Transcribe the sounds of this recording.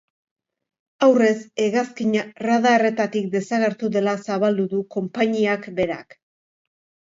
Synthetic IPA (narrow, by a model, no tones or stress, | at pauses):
awre̞se̞ɣaskiɲaraðaere̞t̪at̪ik̚d̪e̞saɣe̞ɾt̪uðe̞lasaβald̪uðuko̞mpaɲiakbe̞ɾa̰k